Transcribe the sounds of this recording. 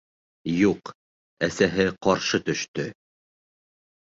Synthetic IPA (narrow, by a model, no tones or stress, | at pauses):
juq | æsæɦɘqɑɾʃɤt̪ɵ̆ʃt̪ɵ